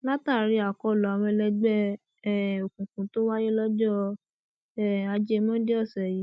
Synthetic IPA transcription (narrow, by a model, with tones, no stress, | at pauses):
la˦ta˦˨ɾi˧˦a˨kɔ˨˦˨lɔ˨˧mɛ̃˧lɛ˧ɡ͡bɛ˦ | ɛ˦˨o˨kũ˨kũ˨˦to˦wa˦je˦lɔ˦d͡ʒɔ˦ | ɛ˦˨a˨˧d͡ʒe˧˦mɔ̃˦de˦ɔ˦˨sɛ˨ji˨˦